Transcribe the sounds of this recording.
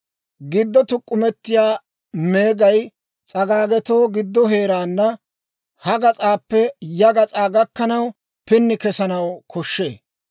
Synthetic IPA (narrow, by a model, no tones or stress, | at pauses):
ɡɪd̪ːɔt̪ʊkʼːʊmɛt̪ːɪjaː | me̞ːɡɐj | t͡sʼɐɡaːɡɛt̪o̞ːɡɪd̪ːɔɦe̞ːɾaːnːɐ | hɐɡɐt͡sʼaːpːɛjɐɡɐt͡sʼaːɡɐkːɐnɐw | pɪnːɪkɛsɐnɐwkʰɔʃːe̞̰ː